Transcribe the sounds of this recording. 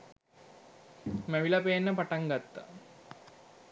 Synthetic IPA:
mæʋilɐpenːəpaʈaŋɡat̪ːa̰

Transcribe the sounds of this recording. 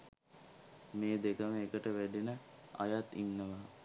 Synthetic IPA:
meːd̪ekəməekəʈəʋæɖinəa̰jat̪inːəʋaː

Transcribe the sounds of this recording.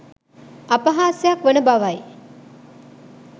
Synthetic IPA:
apaɦaːsejakʋənəbaʋaj

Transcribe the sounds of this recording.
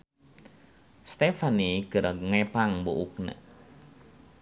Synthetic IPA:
st̪efaniɡəɾaŋɛpaŋboʔuk̚nə̰

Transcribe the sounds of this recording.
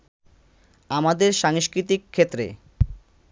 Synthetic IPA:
amad̪eɾʃaŋʃkɾit̪ikʰːet̪ːɾḛ

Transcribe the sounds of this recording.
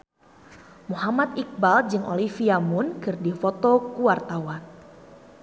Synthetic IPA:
muɦamat̪̚ik̚bald͡ʒɨŋʔo̰lifiamʊnkɨrdifot̪okuwart̪awan

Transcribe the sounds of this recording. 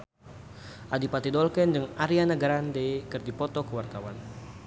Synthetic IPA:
ʔadipat̪idɔlkɛndɨŋaɾianaɡaɾandɛkɨrdipɔt̪ɔkəwart̪awan

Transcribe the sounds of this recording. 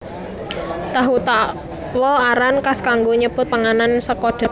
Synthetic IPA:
t̪aɦut̪a | wɔaɾankaskaŋɡoɲəpʊt̪̚paŋanansəkɔɖ̪̥a̤

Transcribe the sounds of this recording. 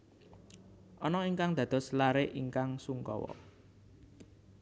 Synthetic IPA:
ʔɔnɔiŋkaŋd̪̥ä̤d̪̥ɔ̤slaɾeʔiŋkaŋsuŋkɔ̰wɔ̰

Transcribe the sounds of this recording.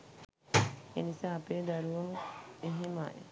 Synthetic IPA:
ḛnisaːɐpeːd̪aɾuʋɐməeɦema̰ːjḛ

